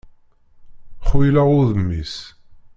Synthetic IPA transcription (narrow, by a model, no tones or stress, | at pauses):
χwilæʁʊðəmːis